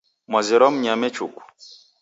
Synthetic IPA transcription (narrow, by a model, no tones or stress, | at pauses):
maziɾɔmɲamɛt͡ʃuku